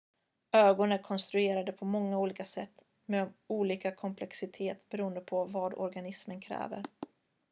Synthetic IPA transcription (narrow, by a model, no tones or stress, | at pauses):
øːɡɔnəɾkʰɔnst̪ɾɵeːɾad̪əpʰɔmɔŋːauːliːkasɛt̪ː | meuːliːkakʰɔmpʰlɛksɪt̪ʰeːt̪bɛɾuːənd̪əpʰɔvad̪ɔ̰ɾɡanɪsmənkʰɾɛ̰ːvə̰ɾ